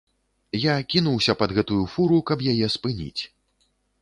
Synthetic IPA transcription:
jakʲin̪uwsʲɐpɐd̪ɣɛt̪ujufuɾukɐpjajɛspɨnʲḭt͡sʲ

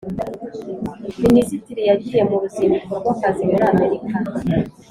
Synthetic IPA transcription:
minisitiɾijaɡije̞muɾuzimikoɾɡwakazimuɾame̞ɾika

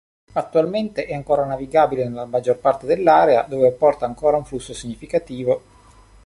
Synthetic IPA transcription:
at̪ːualment̪eʔɛaŋkoːɾanaviɡaːbilenelːamad͡ʒːorpart̪ed̪elːaːɾead̪oːveapːɔrt̪aːŋkoːɾauɱflusːosiɲːifikat̪iːvo

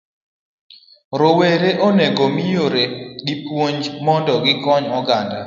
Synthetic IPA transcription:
ɾoweɾeʔoneɡomijoɾeɡipwoɲd͡ʒmɔndɔɡɪkɔɲɔɡanda̰

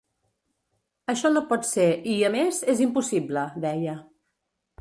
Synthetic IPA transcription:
əʃɔnopɔt̪seɾiəmezezimpusibləd̪ɛjə

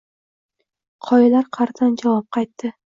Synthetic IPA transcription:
qʰɒjɪlaɾqʰɑɾt̪ʰand͡ʒavɒp̚qʰɑjt̪ːɪ

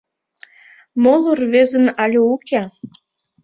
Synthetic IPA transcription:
molˠorvezə̆nɑlʲoukʲæ

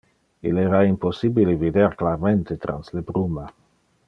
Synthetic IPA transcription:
ḭlɛɾaimposibilevid̪eɾklaɾment̪et̪ɾa̰nslebɾuma

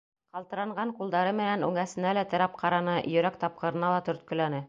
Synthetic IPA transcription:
qɑlˠt̪ɤ̆ɾɑɴɢɑɴqulˠd̪ɑɾɤmɘ̆nænʉŋæsɘ̆nælæt̪ɘ̆ɾɑp̚qʰɑɾɑnɤjɵ̆ɾækt̪ɑp̚qɤ̆ɾɤ̆nɑlˠɑt̪ɵ̆ɾt̪̚kɵ̆lænɘ

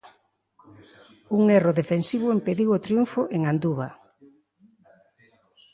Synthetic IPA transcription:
uŋeroðefensiβ̞ʊempeðiwot̪ɾjuɱfoʔeŋand̪uβa

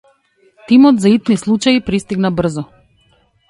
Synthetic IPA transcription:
t̪imɔt̪zait̪nislˠut͡ʃaipɾist̪iɡnabr̩zɔ

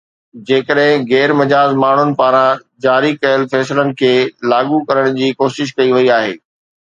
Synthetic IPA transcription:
d͡ʑeːkəɗɦɪ̃ɣɛːɾmɐd͡ʑaːzmaːɳ̤ʊnɪ̆paːɾãd͡ʑaːɾikɐjəlfɛːslənɪ̆kʰeːlaːɡukɐɾəɽ̃d͡ʑiːkoːʃɪʃ̬kɐiʋɐiaːɦḛː

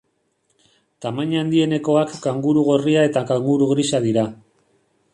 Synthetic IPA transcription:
t̪amaɲand̪ie̞ne̞ko̞akɡaŋɡuɾuɣo̞riae̞t̪akaŋɡuɾuɣɾiʃaðiɾa

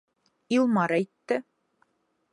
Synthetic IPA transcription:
ilˠmɑɾæjt̪ːɘ

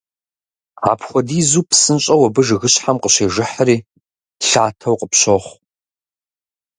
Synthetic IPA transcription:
a̰ːpʰχʷɔdiːzuːpsɨnɕʼɐwɐbɨʒɨɣɨɕʼħamqəɕeːʒɪħəɾiː | ɬaːtʰɐwqʼəpɕoχʷ

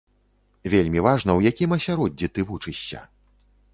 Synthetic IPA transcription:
vʲelʲmʲivaʐn̪ɐwjakʲimɐsʲaɾɔdʲːit̪ɨvut͡ʂɨɕʲːɐ̰

